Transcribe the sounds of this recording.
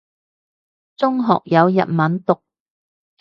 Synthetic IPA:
t͡sʊ˥ŋɦɔ̰ː˨k̚jɐ˨˧wjɐ̰˨t̚mɐ˨˥nt̪ʊ˨k̚

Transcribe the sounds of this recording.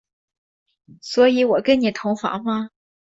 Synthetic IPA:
swɔ˧˥i˧˥wɔ˨˩kə˥nni˨˩t̪ʰʊ˧˥ŋfɑ̰˧˥ŋmɐ˧

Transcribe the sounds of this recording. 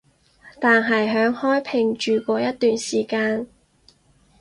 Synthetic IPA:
t̪aː˨˩nɦɐ˨jɦœː˨˥ŋhɔː˥jpʰɪ˨˩ŋt͡ʃyː˨kʷɔː˧jɐ˥t̚t̪yː˨nsiː˨˩kaː˧n

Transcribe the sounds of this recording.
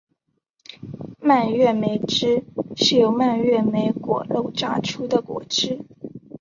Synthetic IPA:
ma˥˧nɥɛ˥˩me˧˥ɪʈ͡ʂɻ̩˥ʂɻ̩˥˩jo˧˥ʊma˥˧nɥɛ˥˩me˧˥ɪkwɔ̰˨˩lo˥˩ʊʈ͡ʂa̰˥˩ʈ͡ʂʰu˥d̪ə˨kwɔ̰˨˩ʈ͡ʂɻ̩˥

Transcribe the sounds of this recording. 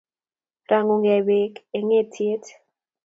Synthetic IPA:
ra˨ŋo˨ŋɡɛ˨be˨ke˨ŋe˦tʰje˦t

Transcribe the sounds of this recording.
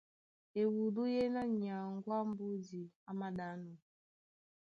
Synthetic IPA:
e˨wu˨du˦je˦na˦ɲa˨ŋ̩˦ɡʷa˦m̩˦bu˦di˨a˦ma˦da˨˦nɔ˨

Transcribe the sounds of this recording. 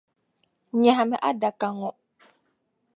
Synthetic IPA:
ɲa˨ɦa˨mɛ˨ʔa˦da˨ka˨ŋɔ˨

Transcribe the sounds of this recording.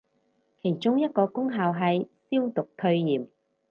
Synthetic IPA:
kʰe˨˩jt͡ʃʊ˥ŋjɐ˥t̚kɔː˧kʊ˥ŋɦaː˨wɦɐ˨jsiː˥wt̪ʊ˨˩k̚t̪ʰɵ˧ɥjiː˨˩m

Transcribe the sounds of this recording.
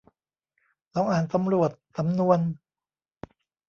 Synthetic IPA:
lɔː˨˦˥ŋʔaː˨˩nsa˨˦mɾu˨˩ət̪̚sa˨˦mnu˧ən

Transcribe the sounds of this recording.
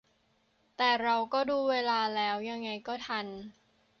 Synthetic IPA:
t̪ɛː˨˩ɾa˧wkɔː˥˩duː˧weː˧laː˧lɛː˦˥wja˧ŋːa˧jkɔː˥˩t̪ʰa˧n

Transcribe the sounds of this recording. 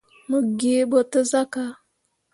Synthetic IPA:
mə˨ɡe˨˦bə˨tə˦za˦ka˦

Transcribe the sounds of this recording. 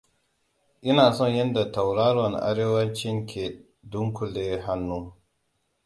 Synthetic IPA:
ʔɪ˦naː˨sɔ˦˨ɲjɐ˦nda˨ta˨wɾa˦ɾɔ˨nʔa̰˦ɾeː˦wɐ˦nt͡ʃɪ˦ŋkʲʰe˨ | dʊ˦ŋku˨leː˦ɦa˦nːuː˦

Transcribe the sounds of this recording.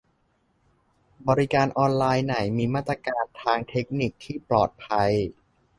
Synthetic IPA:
bɔː˧ɾi˦˥kaː˧nʔɔː˧nlaː˧jna˨˩˦jmiː˧maː˥˩t̪ːɾa˧kaː˧nt̪ʰaː˧ŋt̪ʰe˦˥k̚ni˨˩k̚t̪ʰiː˥˩plɔː˨˩t̪̚pʰa˧j

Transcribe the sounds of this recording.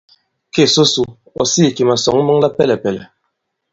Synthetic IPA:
ke˦˨so˦su˦ | ɔ̰˨si˦˨ki˨ma˨sɔ˨ŋ˦mɨ˦ŋla˦pɛ˦lɛ˨pɛ˨lɛ̰˨

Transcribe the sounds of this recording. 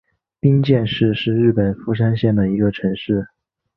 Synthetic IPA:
pi˥nt͡ɕjɛ˥˧nʂɻ̩˥˧ʂɻ̩˥˧ɻɻ̩˥˩pə˨˩nfu˧˥ʂ̬a˥nɕjɛ˥˩nd̪ə˩i˧˥ɡə˧ʈ͡ʂʰɤ˧˥ŋʂɻ̩˥˩

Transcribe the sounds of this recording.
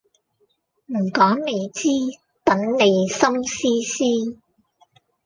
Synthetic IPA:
m̩˨˩kɔː˨˥ŋne˨˧jt͡siː˥ | t̪ɐ˨˥ŋne˨˧jsɐ˥ŋsiː˥siː˥

